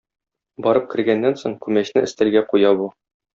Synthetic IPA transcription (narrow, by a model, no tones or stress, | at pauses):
bɒɾɤp̚kɘ̆ɾɡænːænsoɴkʉmæɕnɘɘ̆st̪ælɡæqujɑbu